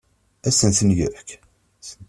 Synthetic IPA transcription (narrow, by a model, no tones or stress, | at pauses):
æsənθənjək | s